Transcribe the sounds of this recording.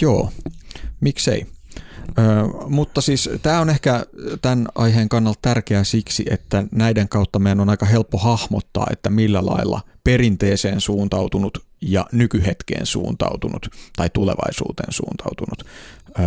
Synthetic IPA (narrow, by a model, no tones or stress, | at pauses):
joː | miksḛi | øːmut̪ːɑsiːst̪æːonehkæt̪ænɑiɦeːŋkɑnːɑlt̪t̪ærkeæsiksḭet̪ːænæideŋkɑut̪ːɑmeænonɑikɑhelpːohɑhmot̪ːɑ̰ːḛt̪ːæmilːælɑ̰ilːɑ̰perint̪eːseːnsuːnt̪ɑwt̪unut̪ | jɑ̰nykyhet̪kḛːnsṵːnt̪ɑ̰ut̪unṵt̪t̪ɑit̪ulḛʋɑ̰isṵːt̪ḛːnsṵːnt̪ɑ̰ut̪unut̪ː